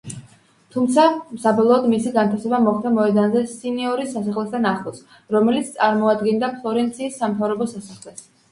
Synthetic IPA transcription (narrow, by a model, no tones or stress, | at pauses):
t̪ʰumt̪sʰasabɔlˠɔːd̪misiɡant̪ʰasɛbamɔχt̪amɔɛd̪anzɛsiniɔɾisasaχlɛst̪ʰanaχlˠɔs | ɾɔmɛlit̪sʰt̪sʼaɾmɔad̪ɡind̪apʰlˠɔɾɛnt̪sʰiːsːamt̪ʰavɾɔbɔsasaχlɛs